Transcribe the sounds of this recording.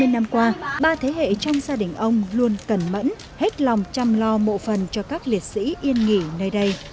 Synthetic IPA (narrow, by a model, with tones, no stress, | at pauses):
e˧nːa˧mkwaː˧ɓaː˧t̪ʰe˨˦hḛ˧˨t͡ɕɔ˧wŋ͡mzaː˧ɗï˧˩ŋ̟ʔə˧wŋ͡mlu˧ənkə˨˩nmə̰˧˥n | he˦˥t̚la˨˩wŋ͡mt͡ɕa˧mlɔ˧mo̰˧˨fə˨˩nt͡ɕɔ˧kaː˦˥k̚li˨˩ət̚sḭ˧˥ʔi˧ənŋi˧˩nəː˧jɗə˧j